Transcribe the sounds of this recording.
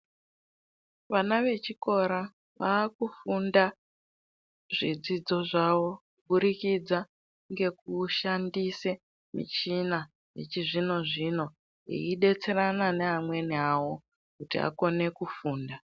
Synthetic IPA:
ʋanaʋe̞t͡ʃiko̞ɾa | ʋaːkufunda | ʐid͡zid͡zo̞ʐaʋo̞ | uɓuɾikid͡za | ŋɡe̞kuʃandise | mḭt͡ʃina | ɦḛt͡ʃiʐino̞ʐino̞ | ɦḭiɗe̞t͡se̞ɾanane̞amwe̞niawo̞ | kutia̰ko̞ne̞kufuːnda

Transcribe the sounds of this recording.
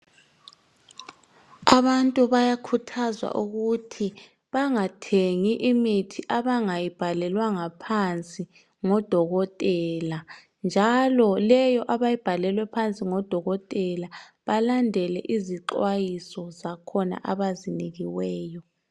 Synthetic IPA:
aβantʼuβajakʰutʰazwa̰ʔuɣutʰi | βaŋatʰeŋiʔimitʰiʔaβaŋajib̥ʱalɛlwaŋapʰant͡sʼi | ŋɔd̥ʱɔɣɔtʼɛla | nd͡ʒʱalɔlɛjɔʔaβajib̥ʱalɛlwɛpʰant͡sʼiŋɔd̥ʱɔɣɔtʼɛla | βalandʱɛlɛ̰ʔiziǁwajisɔzakʰɔna̰ʔaβaziniɣiwɛːjɔ

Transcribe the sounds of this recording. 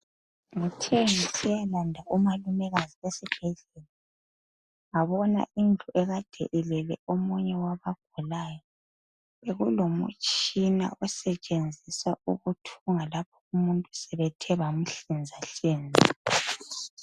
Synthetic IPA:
ŋutʰeŋisijalandʱaʔumalumɛɣaziesib̥ʱɛɮɛla | ŋaβɔna̰ʔind͡ɮʱuʔɛɣad̥ʱɛ̰ʔɛlɛlɛ̰omuɲɛwaβaɡ̥ʱulaːjɔ | βeɣulomṵt͡ʃʼina̰ʔɔsɛt͡ʃʼend͡zʱisaṵɣutʰuŋalap̚ʰɔ̥umuntʼu̥sɛβɛtʰɛβam̩ɬind͡zʱaɬiːnd͡zʱi

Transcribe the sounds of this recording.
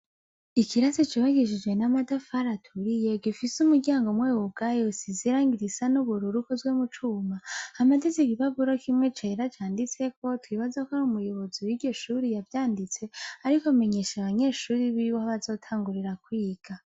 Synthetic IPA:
ikʰiɾasit͡ʃiβaɡiʃid͡ʒɡwe̞namadafaɾatʰuɾije̞ɡifisumuɟaːŋɡomweːwub̚ɡajosiziɾaːŋɡiɾisanuβuɾuɾukozɡwemut͡ʃuːmaamadeziβiβaβuɾokimŋe̞t͡ʃe̞ɾat͡ʃaːndit͡se̞ko̞twiβazakoɾumujoβoziwiɟo̞ʃuɾijavjaːndit͡se̞aɾikome̞ɲe̞ʃaβaɲe̞ːʃuːɾiβiiwohoβazo̞ːtʰaːŋɡuɾiɾakwiːɡ̥a

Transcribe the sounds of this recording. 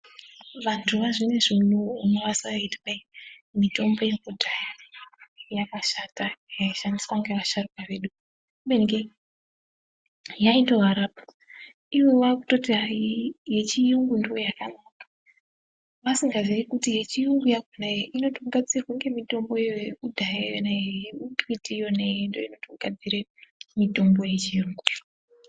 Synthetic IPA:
ʋantʰuʋaʐine̞ʐin̤uːmeʋasaitkaimito̞mbo̞jekudʱaja | jakaʃatajaiʃandiswaŋɡeʋaʃarukaʋe̞ɗu | benɡe | jainto̞ɦaɾapḁ | iwewaku̥to̞tiɦaje̞t͡ʃijuŋɡundiojakanakḁ | ʋasiŋɡaziikutije̞t͡ʃijuŋɡujaɡʱonajeʔino̞tokuɡʱad͡zirkuŋɡe̞mito̞mbo̞jeeudʱajejenaeukʋitijonejendoino̞tokuɡ̥ʱad͡ziɾemito̞mbo̞je̞t͡ʃijuŋɡu

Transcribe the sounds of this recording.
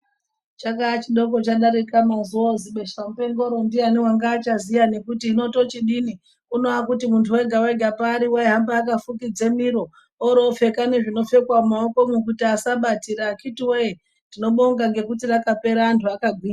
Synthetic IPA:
t͡ʃakaːt͡ʃiɗo̞ko̞t͡ʃaɗaɾikamazuoziɓe̞ʃam̩pe̞ŋɡo̞ɾo̞ndianiwaŋɡaːt͡ʃazijane̞kutiːno̞to̞t͡ʃiɗini | uno̞ak̬utimuntʰuwe̞ɡʱaweɡʱapaːɾiweeɦambaːk̬afukid͡ze̞miɾo̞ | oɾo̞fe̞kane̞ʐino̞fe̞kwaumaoko̞muk̬utiasaɓatiɾaːkitiwee | ndino̞ɓoŋɡaŋɡe̞kutirakape̞ɾaːntʰuakaɡʱwiːa

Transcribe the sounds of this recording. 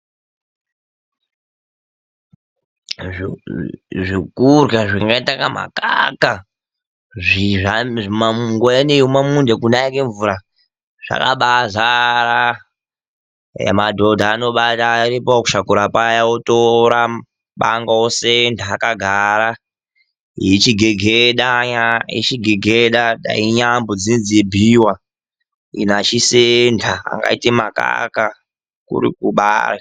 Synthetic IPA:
ʐikurɡaʐiŋɡaitakama̰kaka | ʐiamamuŋɡoaneumamundekunajakeɱvuɾa | ʐ̥a̰ka̰ɓazaɾa | ja̰madʱodʱaːno̞ɓataiɾipoku̥ʃakuɾapajaotoɾa | ɓaŋɡaosendʱaːkaɡʱaɾa | ḭit͡ʃiɡʱeɡʱeɗaɲaḭt͡ʃiɡʱeɡʱeɗaɗa̰iɲambod͡zinziebʱiwa | ḭnat͡ʃisendʱa̰ːŋɡa̰itimaka̰ka | kṵɾḭkuɓa̰ra

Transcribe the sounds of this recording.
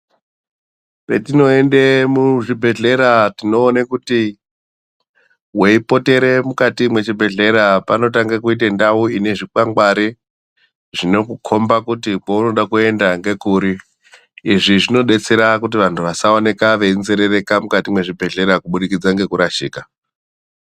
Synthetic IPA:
petino̞e̞ndemuʐibʱe̞ɮe̞ɾatino̞ːnekuti | we̞ipo̞te̞ɾe̞mukatimwe̞t͡ʃibʱe̞ɮe̞ɾapano̞taŋɡakuit̬andauine̞ʐikaŋɡwaɾi | ʐino̞kukʰo̞mbakutikauno̞ɗakue̞ndaŋɡe̞kuːɾiː | ʐiʐino̞ɗe̞t͡se̞ɾakut̬iʋantʰuʋasaone̞kaʋeinzeɾe̞re̞kamukatimwe̞ʐibʱe̞ɮe̞ɾakuɓuɗikid͡zaŋɡe̞kuɾaʃiːka

